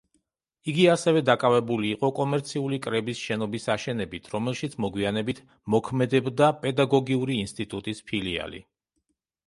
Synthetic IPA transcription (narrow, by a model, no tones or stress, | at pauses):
iɡiasɛvɛd̪akʼavɛbuliːqʼɔkʼɔmɛɾt̪sʰiulikʼɾɛbisʃɛnɔbisaʃɛnɛbit̪ʰɾɔmɛlʃit̪sʰmɔɡwianɛbit̪ʰ | mɔkʰmɛd̪ɛbd̪apʼɛd̪aɡɔɡiuɾiːnst̪ʼit̪ʼut̪ʼispʰilia̰lḭ